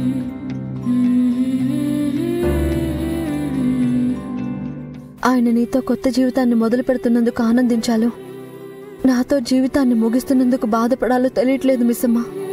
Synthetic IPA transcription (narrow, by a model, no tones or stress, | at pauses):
aːjɐnɐniːt̪o̞ːkɔt̪ːɐd͡ʒiːʋit̪aːnːimɔd̪ɐlupɛɽut̪unːɐnd̪ukuaːnɐnd̪iɲt͡ʃaːlu | naːt̪o̞ːd͡ʒiːʋit̪aːnːimuɡist̪unːɐnd̪ukubaːd̪ɐpɐɽaːluːt̪elijɐʈle̞ːd̪umisɐmːaː